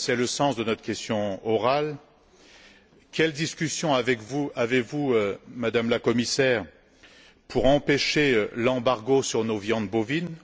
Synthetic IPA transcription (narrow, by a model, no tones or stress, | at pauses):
sɛləsɑ̃sd̪ənɔt̪χəkʲɛst̪jɔ̃ɔʁal | kʲɛld̪iskʲysjɔ̃avɛkvuavevuømad̪amlakɔmisɛʁ | pʰuʁɑ̃peʃeølɑ̃baʁɡosyʁnovjɑ̃d̪bovin